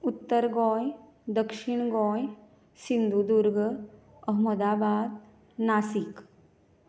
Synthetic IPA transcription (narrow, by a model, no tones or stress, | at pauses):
ut̪ːəɾɡɔːj | d̪əkʃiɳ̃ɡɔːj | sind̪ud̪uɾɡə | ɐɦməd̪aːbaːd̪ | naːsik